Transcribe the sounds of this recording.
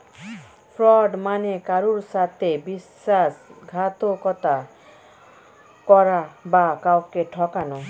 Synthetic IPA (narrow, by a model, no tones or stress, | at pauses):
pʰɾɔɖmanekaɾuɾsat̪ʰebis | asɡʱat̪okɔt̪a | kɔɾabakawkeʈʰɔkanɔ